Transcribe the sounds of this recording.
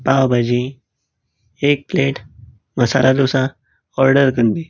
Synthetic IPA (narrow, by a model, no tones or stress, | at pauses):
pawbad͡ʒi | eːk̚pleːʈ | mɐsa̰ːɾʔad̪oːsa | ɔːɾɖəɾkənd̪i